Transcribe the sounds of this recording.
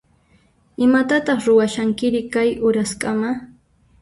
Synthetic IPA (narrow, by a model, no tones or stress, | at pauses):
ɪmat̪at̪ɑχɾʊwaʃaŋkɪɾɪkajʔʊɾaskʼama